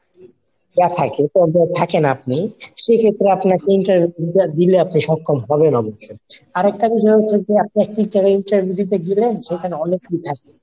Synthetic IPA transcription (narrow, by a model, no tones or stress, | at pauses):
jat̪ʰaket̪obat̪ʰakenap̚niʃekʰet̪ːɾeapnaɾkeinʈaɾbʱjud̪ileapniʃɔkʰːomɦɔbenɔboʃoaɾɛk̚ʈabiʃɔeɦoed͡ʑeap̚niɛk̚ʈiʈeleiɳʈaɾbʱjiud̪it̪̬eɡilenʃekʰaneɔnekːit̪ʰak̚e